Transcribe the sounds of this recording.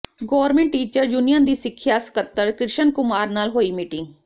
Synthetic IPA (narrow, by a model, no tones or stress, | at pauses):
ɡɔːɾmẽɳʈːiːt͡ʃəɾd͡ʒuːnijə̃ːnd̪iːsɪkʰːjaːsə̥kət̪ːəɾkɾɪʃənkʊmaːɾnaːlɦoːiːmiːʈɪŋɡ